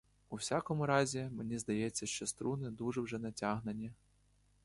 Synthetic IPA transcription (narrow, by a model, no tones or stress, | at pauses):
uwsʲakɔmʊɾɑzʲimenʲizd̪ɐjɛt͡sʲːɐʃt͡ʃɔst̪ɾunɪd̪uʒɛwʒɛnɐtʲaɦnenʲi